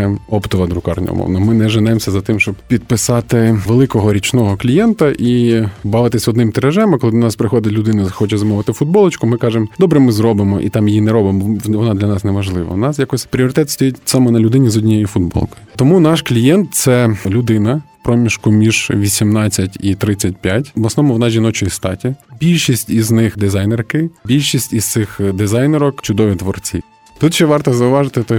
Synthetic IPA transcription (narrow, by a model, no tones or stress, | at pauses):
ɔpt̪ɔʋɐd̪ɾʊkɑ̰rnʲɐ̰ṵmɔ̰ʋnɔmɪnɛʒɪnɛmsʲɐzɐt̪ɪmʃt͡ʃɔbpʲid̪̚pɪsɑt̪ɪʋelˠɪkɔɦɔɾʲit͡ʃnɔɦɔklʲijɛnt̪ɐʔibɑʋɪt̪ɪsʲɔd̪nɪmt̪eɾɐʒɛmɪkɔlˠɪnɑspɾɪxɔd̪ʲɪtʲlʲʊd̪ɪnʊxɔt͡ʃɛzɐmɔʋɪt̪ɪfʊd̪̚bɔlˠɪt͡ʃkʊmɪkɑʒemd̪ɔbɾɛmɪzrɔbɪmɔʔḭt̪ɑmjjinɛɾɔbɪmbʋɔnɑd̪lʲɐnɑsnɛʋɐʒlˠɪʋɐ̰nɑsjakɔsʲpɾʲiɔɾɪt̪ɛt̪st̪ɔjitʲsɑmɛnɐlʲʊd̪ɪnʲizɔdʲnʲijɔjʊfʊd̪̚bɔ̰lˠkʊjʊt̪ɔmunɑʃklʲijɛnt̪̚t̪sɛlʲʊd̪ɪnɐpɾɔmʲiʃkʊmʲiʒ̥ʋʲisʲimnɑt͡sʲːɐtʲit̪ɾɪt͡sʲːɐtʲpʲjatʲblˠɐsnɔmʊʋɔnɑʒʲinɔt͡ʃɔjist̪ɑtʲibʲilʲʃisʲtʲiznɪxd̪ɪzɑjnerkɪbʲilʲʃisʲtʲizt̪sɪxd̪ɪzɑjnɛɾɔkt͡ʃʊd̪ɔʋʲit̪ʋɔrt͡sʲḭ | t̪ut̪ʃɛʋɑrt̪ɔzɐʊʋɑʒɪt̪ɪt̪ɔ